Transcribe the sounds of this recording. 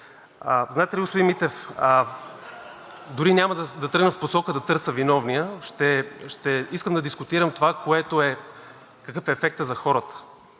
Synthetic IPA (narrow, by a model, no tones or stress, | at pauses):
əzaɛt̪ɛliɡospʊd̪inmit̪ɛfə | d̪ʊɾinʲaməd̪əd̪ɐt̪ɤɾɡnəfposɔkəd̪ɐt̪ɤɾsəvinɔvnijəʃt̪ɛʃt̪ɛiskəmd̪ɐd̪iskʊt̪iɾəmt̪ovakoɛt̪oɛ | kɐkɤfɛːfɛk̚t̪əzɐxɔɾət̪ə̥